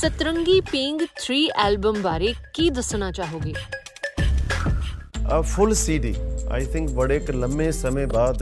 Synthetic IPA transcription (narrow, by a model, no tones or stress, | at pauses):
sət̪ɾə̃ŋɡiːpɪŋɡt̪ʰɾiːʔɛːlbəmbaːɾeːkiːd̪əsñaːt͡ʃaːɦoːɡeː | əfʊlsiːɖiːa̰jt̪ʰɪ̃ŋkʋəɽeːklə̃mbesəmẽbaːd̪